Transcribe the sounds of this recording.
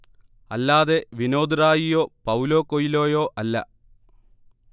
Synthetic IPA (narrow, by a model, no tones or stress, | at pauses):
ɐlːaːðe̞ʋino̞ːd̪raːjijo̞ːpɐwlo̞ːkːojilo̞ːjoːʔɐlːɐ̰